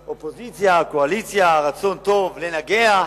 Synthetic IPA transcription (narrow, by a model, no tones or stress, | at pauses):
ʔo̞po̞zit͡sjakoalit͡sjaʁat͡so̞nt̪o̞vlenaɡe̞a